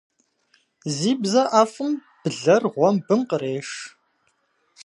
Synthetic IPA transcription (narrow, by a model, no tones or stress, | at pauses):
ziːbzɐʔaːfɨm | b̥ɨɮɐrʁʷɔmbɨmqəɾeːʂ